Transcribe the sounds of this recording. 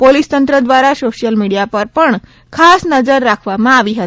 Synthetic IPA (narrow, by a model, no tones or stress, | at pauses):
polist̪ənt̪ɾəd̪ʋaɾasoɕijəlmiɽijapəɾpəɳ | kʰasnəd͡zəɾːakʰʋamãaʋiɦət̪